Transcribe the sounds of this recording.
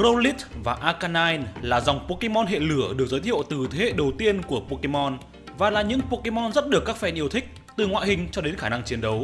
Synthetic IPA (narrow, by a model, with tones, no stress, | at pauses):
ɣo˧li˦˥t̚vaː˨˩ʔaː˧kaː˧naː˧jnlaː˨˩za˨˩wŋ͡mpo˧ke˧mɔ˧nɦḛ˧˨lɨ˧˩əɗɨ˨˩ək̚zəː˨˦t̪ʰḭ˧˨ə˨wt̪ɨ˨˩t̪ʰe˨˦hḛ˧˨ɗə˨˩wt̪i˧ənku˧˩əpo˧ke˧mɔ˧n | vaː˨˩laː˨˩ɲɨ̰˧˥ŋpo˧ke˧mɔ˧nzə˦˥t̚ɗɨ˨˩əkːaː˦˥k̚fɛ˧nʔi˧əwt̪ʰï˦˥k̚ | t̪ɨ˨˩ŋwa̰ː˧˨jhï˨˩ŋ̟t͡ɕɔ˧ɗe˨˦nxaː˧˩na˧ŋt͡ɕi˨˦ənɗə˨˦w